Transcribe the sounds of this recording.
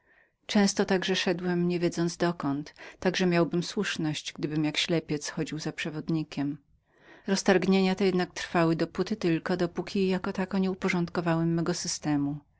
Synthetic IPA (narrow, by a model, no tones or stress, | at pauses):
t͡ʂɛ̃w̃st̪ɔt̪aɡʐɛʂɛd̪wɛmɲevʲjed̪zɔnzd̪ɔkɔnt̪ːaɡʐɛmʲjawbɘmswuʂnɔɕt͡ɕɡd̪ɘbɘmjakɕlɛpʲjɛt̪sxɔd͡ʑiwzapʂɛvɔd̪ɲikʲɛm | ɾɔst̪aɾɡɲeɲat̪ɛjɛd̪nak̚t̪ɾ̥fawɘd̪ɔput̪ɘt̪ɘlkɔd̪ɔpukʲijakɔt̪akɔɲɛupɔʐɔ̃nt̪kɔvawɛmːɛɡɔsɘst̪ɛmu